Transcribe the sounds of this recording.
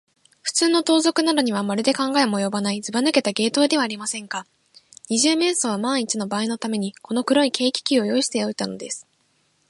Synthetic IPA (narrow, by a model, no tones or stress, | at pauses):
ɸɯ̟̥t͡sɨːno̞t̪o̞ːzo̞kɯ̟nad̪oɲ̟iβ̞amaɾʲid̪e̞kãŋɡae̞mo̞jo̞banaid͡zɨbanɯke̞t̪aɡe̞ːt̪o̞ːd̪e̞βaːɾʲimasẽ̞ŋka | ɲ̟iʑɨːme̞ːso̞β̞amãɰ̃it͡ɕino̞baːino̞t̪ame̞ɲ̟iko̞no̞kɯ̟ɾo̞ike̞ːkʲi̥kʲio̞jo̞iɕi̥t̪e̞o̞it̪ano̞d̪e̞sɨ̥